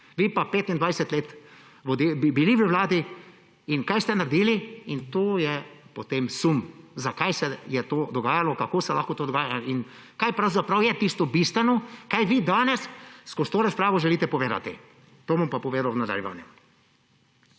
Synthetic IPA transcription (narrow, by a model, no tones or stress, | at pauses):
ʋiːpapeːt̪ind̪ʋajsɛt̪leːt̪ | ʋod̪ibbiliʋəʋlaːd̪i | inkajst̪ɛnaɾd̪iːliint̪oːjɛpot̪emsumzakajsɛjɛt̪oːd̪ɔɡaːjalɔkakoːsɛlaxkɔt̪oːd̪ɔɡaːjain | kajpɾawzapɾawjɛt̪ist̪ɔbist̪ʋɛnɔkajʋiːd̪aːnɛsskɔst̪oːɾaspɾaːʋɔʒɛliːt̪ɛpɔʋeːd̪a̰t̪ḭ | t̪oːbɔmpapɔʋeːd̪awnad̪a̰ljɛ̰ʋa̰ːnjɛm